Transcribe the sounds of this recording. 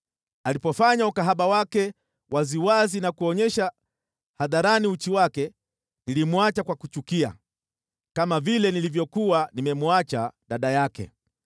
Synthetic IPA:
alipɔfaɲaukaɦaɓawakɛ | wʔaziwazinakuɔɲɛʃa | haðaɾaniut͡ʃiwakɛ | nilimuat͡ʃakwakut͡ʃukia̰ | kamavilɛnilivjɔkuwanimɛmuat͡ʃaɗaɗajakɛ̰

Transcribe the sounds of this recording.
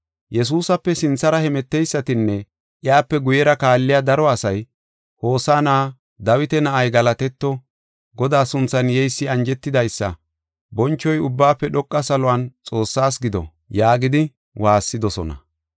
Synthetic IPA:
jɛs̬uːsɐpːɛsɪnt͡sːɐɾɐhɛmɛt̪ːɛjsːɐt̪ɪnːɛ | ʔɪjaːpːɛɡʊjɛɾɐkaːlːɪjad̪ɐɾɔɐsɐj | ho̞ːsaːnaː | d̪ɐwɪt̪ɛnɐʔɐjɡɐlɐt̪ɛt̪ːɔ | ɡɔd̪aːsʊnt͡sːɐnjɛjsːɪɐnd͡ʒɛt̪ːɪd̪ɐjsːɐ̰ | bɔnt͡ʃːɔjʊbːaːpːɛɗɔkʼːɐsɐlɔɐnt͡sʼo̞ːsːaːs̬ɡɪd̪ɔ̰ | jaːɡɪd̪ɪ | waːsːɪd̪ɔsɔ̰nɐ̰

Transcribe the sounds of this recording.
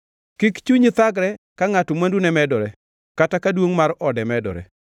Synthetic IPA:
kikt͡ʃuɲit̪aɡɾɛ | kaŋatomandunɛmɛdɔɾɛ | katakadwoŋmaɾɔdɛmɛdɔ̰ɾɛ̰

